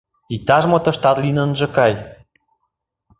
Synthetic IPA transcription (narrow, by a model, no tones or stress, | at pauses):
it̪ɑʒmot̪ə̆ʃt̪ɑt̪linə̆nʒɤ̆kɑj